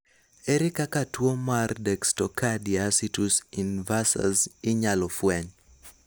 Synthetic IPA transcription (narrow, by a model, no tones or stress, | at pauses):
eɾɪkakatwomardɛkstɔkʰadiasitusinvasa̰zɪɲalɔfwɛɲ